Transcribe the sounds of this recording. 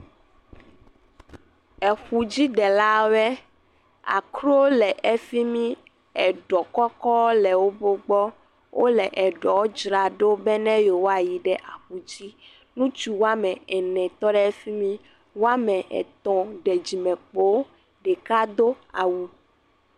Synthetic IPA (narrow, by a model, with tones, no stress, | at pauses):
ɛ˨xu˨d͡ʑi˦ɖɛ˨la˦bɛ˦ | a̰˨kɾo˦lɛ˨ʔe˦fi˦mĩ˦ | ɛ˨ɖɔ˨kɔ˦kɔ˦lɛ˨wo˦bo˦ɡ͡bɔ˦ | wʔo˦lɛ˨ʔɛ˨ɖɔ˨˦d͡ʒɾa˨ɖo˦bɛ˦nɛ̃˦jo˨wo˦a˨ji˨ɖɛ˦ʔa˨xu˨d͡ʑi˦ | nũ˦t͡ʃu˦wo˦a˦mɛ̃˨ɛ˨nɛ̃˨t̪ɔ˦ɖɛ˦ɛ˦fi˦mĩ˦ | wo˦a˦mɛ̃˨ʔɛ̰˨t̪ɔ̃˨ɖɛ˨d͡ʑi˨mɛ̃˨k͡po˦ | ɖɛ˨ka˦d̪o˦ | a˨wu˦